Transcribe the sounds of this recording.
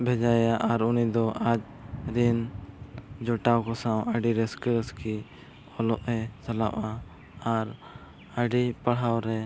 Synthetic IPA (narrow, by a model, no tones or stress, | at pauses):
bʱɛd͡ʒajaʔaɾunid̪ɔʔad͡ʒ | ɾin | d͡ʒɔʈawkɔsawəɖiɾɛskəɾəski | ɔlɔʔɛt͡ʃala̰ʔa | aɾ | əɖipaɽ̤ɦawɾɛ